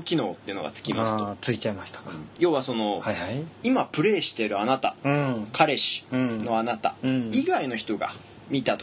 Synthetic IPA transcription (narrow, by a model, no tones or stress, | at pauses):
kʲino̞ːt̪ːeiɯ̟no̞ɡa̰t͡sɨ̥kʲimasɨt̪ot͡sɨit͡ɕaimaɕi̥t̪ḁɯ̃jo̞ːβaso̞no̞haaimapɯ̟ɾe̞ːɕi̥t̪e̞ɾɯ̟anat̪aɯ̃kʰaɾe̞ɕĩ̥no̞anat̪a̰iɡaino̞çi̥t̪o̞ɡa̰ | mʲit̪at̪o